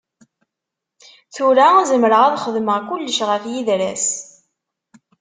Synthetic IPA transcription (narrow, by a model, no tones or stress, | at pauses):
θuɾæzəmɾəʁæðχəðməʁkulːəʃʁəθjiðɾæs